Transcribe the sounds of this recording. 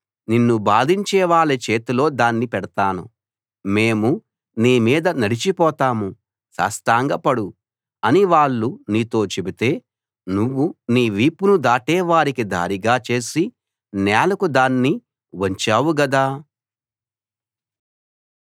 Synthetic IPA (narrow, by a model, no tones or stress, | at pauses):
ninːubaːd̪ʱiɲt͡ʃɛːʋaːɭit͡ʃe̞ːt̪ilo̞ːd̪aːnːipɛɽɐt̪aːnṵ | meːmu | niːmiːd̪ɐnɐɽit͡ʃipɔːt̪aːmu | sa̰ːsʈ̪aːŋɡɐpɐɽu | ɐniʋaːɭːuniːt̪o̞ːt͡ʃe̞bit̪e̞ː | nuʋːuniːʋiːpunud̪aːʈɛːʋaːɾikid̪ʱa̰ːɾiɡaːt͡ʃe̞ːsi | naːlɐkud̪aːnːi | ʋɐɲt͡ʃaːwuɡɐd̪aː